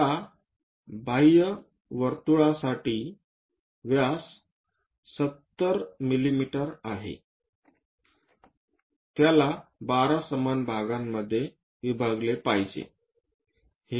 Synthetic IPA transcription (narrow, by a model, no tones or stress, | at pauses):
a | bajə | ʋəɾt̪uɭasaʈiː | ʋjasː | ət̪ːəɾmilimiʈəɾaɦḛ | t̪jalabaɾasəmanbʱaɡamːəd̪ʱːje | ʋibʱaɡlepajd͡ʑḛ | he